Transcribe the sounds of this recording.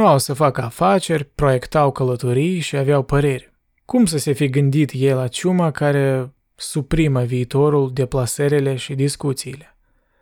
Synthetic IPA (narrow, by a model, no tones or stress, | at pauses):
nuawsəfakəafat͡ʃe̞rʲpɾo̞je̞kt̪awkələt̪o̞ɾijʃiaveawpəɾe̞rʲ | kumsəse̞fiɡɨnd̪it̪jejlat͡ʃumakaɾe̞ | supɾiməviːt̪o̞ɾuld̪e̞plaseɾele̞ʃid̪iskut̪siːle̞